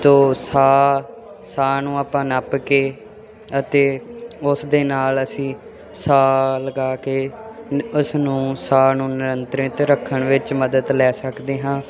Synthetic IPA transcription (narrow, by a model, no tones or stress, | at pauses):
t̪oːsaː | saːnũːaːpãːnəpkeː | ət̪eːʊsd̪eːnaːləsĩː | saːləɡaːkeː | ʊsnũːsaːnũːnɪɾənt̪ɾɪt̪ɾəkʰːəɳ̃ʋɪt͡ʃməd̪əd̪lɛːsəkd̪eːɦãː